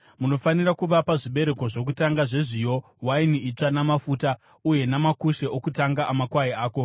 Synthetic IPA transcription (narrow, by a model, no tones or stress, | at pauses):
muno̞fanirakuʋapaʐiɓe̞ɾe̞ko̞ʐo̞k̬utaŋɡaʐe̞ʐiːjo̞ | wainiit͡ʂanamafuta | uje̞namakuʃe̞ʔokutaŋɡaʔamakwaiaːko̞